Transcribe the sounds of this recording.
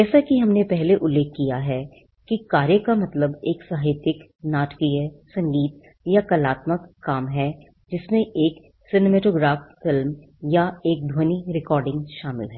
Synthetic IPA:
d͡ʒɛːsakiɦɐmnepɛɦleʔʊlːeːk̚kːijaɦɛ | kikaːɾjəkamɐt̪ləbeːksaːɦɪt̪jɪk | naːʈkiɦɛsɐ̃ŋɡiːt̪̚ | jakɐlaːt̪məkːaːmɦɛ | d͡ʒɪsmẽʔeːk | sɪnemɛːʈoːɡɾaːffɪlm | jaeːk̚d̪ʱoːniɾɪkɔːɾɖɪ̃ŋɡʃaːmɪ̰lɦɛː

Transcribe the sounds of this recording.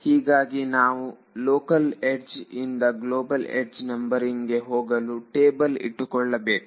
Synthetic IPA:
hiːɡaːɡinaːʋu | loːkɐleɖd͡ʒind̪ɐɡloːbɐlḛɖd͡ʒnɐmbɐɾiŋɡe̞ɦoːɡɐluʈeːbɐlḭʈːukɔɭːɐbeːku

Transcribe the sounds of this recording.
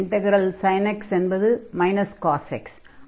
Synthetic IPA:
ɳʈɛɣɾɐlsɐɪnɛksɛnbɐðɯmɐɪnɐskaːsɛ̰ks

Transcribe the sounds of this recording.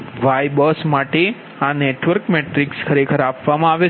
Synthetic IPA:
ʋajbəsmaʈe | aneʈʋəɾkmeʈɾikskʰəɾekʰəɾapʋamãaʋe

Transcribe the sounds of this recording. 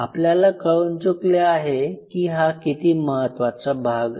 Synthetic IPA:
apljalakəɭunt͡sukleaɦekiːɦakit̪iːməɦət̪ʋat͡sabʱaɡ

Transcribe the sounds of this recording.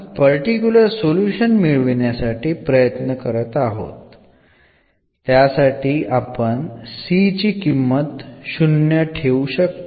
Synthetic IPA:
pəɾʈikjuləɾsoljuɕənmiɭʋɳjasaʈiːpɾəjət̪nəkəɾət̪aɦo̰t̪ | jasaʈiːʔapəɳsit͡ɕiːkimːət̪ɕunjəʈʰeuɕək̚t̪

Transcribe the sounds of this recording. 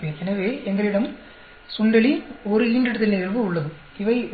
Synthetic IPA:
eːɛnɐʋeːɛŋɡɐɾɐɪɽɐm | sʊɳɖɐɭiɔɾɯiːɳɖɐɽɐt̪ːɪlnɪɣɐlʋɯʊɭːɐðɯ | ɪʋɐɪ

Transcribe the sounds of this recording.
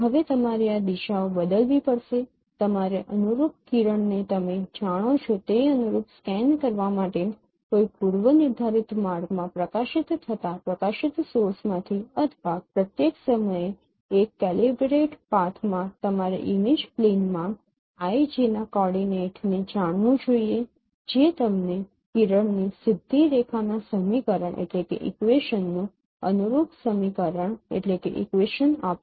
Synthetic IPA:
ɦəʋet̪əmaɾead̪iʃaobəd̪əlʋipəɽʃe | t̪əmaɾeʔənuɾupkiɾəɳnet̪əmed͡ʒaɽ̃ot͡ʃʰot̪eənuɾupskɛnkəɾʋamaʈe | koipuɾʋənɪɾd̪ʱaɾɪt̪maɾɡmãpɾəkaʃɪt̪ʰːət̪apɾəkaʃɪt̪sosmãt̪ʰiət̪ʰbapɾət̪jeksəməje | ekːɛlibɾeʈpat̪ʰmãt̪əmaɾḛʔimid͡ʒplenmã | ajd͡ʒinakɔɽineʈned͡ʒaɽ̃ʋũd͡ʒoie | d͡ʒet̪əmne | kiɾəɳnisɪd̪ʱːiɾekʰanasəmikəɾəɳʔḛʈlekḛʔɪ̰kʋeʃənːũ | ə̰nuɾuɡ̪səmikəɾəɳḛʈlekḛʔḭkʋeʃənap

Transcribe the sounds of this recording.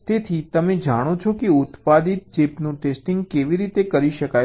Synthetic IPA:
t̪et̪ʰit̪əmed͡ʒaɽ̃ot͡ʃʰokeʊt̪pad̪it̪̚d͡ʒepnũʈesʈiŋɡkeʋiɾit̪ekəɾiʃəka

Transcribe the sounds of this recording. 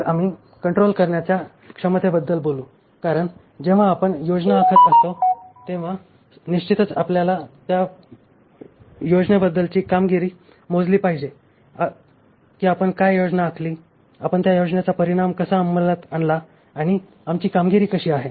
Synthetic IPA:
amiː | kəɳʈɾolkəɾɳjat͡ɕja | kʂəmət̪ebəd̪ːəlboluː | kaɾəɳ | d͡ʑeʋ̤aːpəɳjod͡ʑnaːkʰəɾast̪ot̪eʋ̤a | niɕt͡ɕit̪ət͡sapljalat̪ja | jod͡znəbəd̪ːəlt͡ɕiːkamɡiɾiː | mod͡zliːpaɦid͡ʑe | kiːapəɳkajjod͡znaːkʰliː | apəɳt̪jajod͡ʑnat͡sapəɾiɽ̃amkəsaːmbəlat̪aɳlaː | ɽ̃i | amt͡ɕiːkamɡiɾiːkəɕiːaɦe

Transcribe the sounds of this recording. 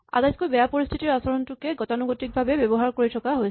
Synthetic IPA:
a̰dajskojbɛjapoɹist̪ʰitiɹasɔɹɔntukeɡɔtanuɡotik̚bʱabebjɔbɔɦaɹkoɹitʰɔkaɦojʰ

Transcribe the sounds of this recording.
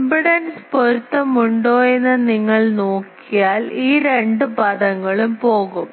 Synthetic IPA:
mbiɽɐnspoɾut̪ːɐmuɳɖo̞ːenːɐniŋːɐɭnoːkːijaːliːɾe̞ɳɖɨpɐðɐŋːɐɭumpo̞ːɣum

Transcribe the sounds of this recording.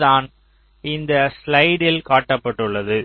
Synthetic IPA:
ðaːn | ɪnd̪ɐslɐɪɽɪlkaːʈːɐpːɐʈːɯɭːɐðɯ

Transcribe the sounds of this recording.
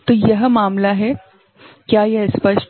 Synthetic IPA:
t̪ojəɦəmaːmlaɦe | kjajɐɦəspəʃ

